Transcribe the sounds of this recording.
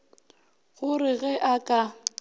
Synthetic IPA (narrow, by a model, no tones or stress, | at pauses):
ɣʊrɪɣɛʔakʼa